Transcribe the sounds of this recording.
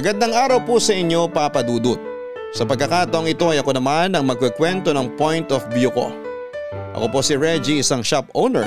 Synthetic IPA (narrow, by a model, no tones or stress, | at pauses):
ʔɐɡɐd̪ːɐŋʔaːɾɐwpusɐʔɪɲjo̞papɐd̪uːd̪ʊt̪̚ | sɐpɐɡkːɐkaːt̪ɐʔoŋɪt̪o̞ʔɐjʔɐko̞nɐmanɐŋmɐɡ̚kɐkwɛnt̪o̞nɐŋpo̞jnt̪ofbjuko̞̰ | ʔɐ̰ko̞po̞sɪɹɛd͡ʒiɪsaŋʃapʔownɛ̰ɹ